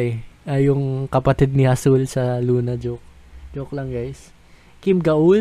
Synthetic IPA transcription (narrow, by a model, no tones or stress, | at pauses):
ʔɐjʊŋkɐpɐt̪id̪̚nɪhɐsulsɐluːnɐd͡ʒok̚ | d͡ʒok̚lɐŋɡajs | kimɡɐʔu